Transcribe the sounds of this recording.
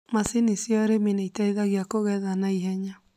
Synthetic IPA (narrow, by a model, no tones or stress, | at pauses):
masinisjɔɾemineitaiðaɣjakoɣɛðanaiɦɛɲa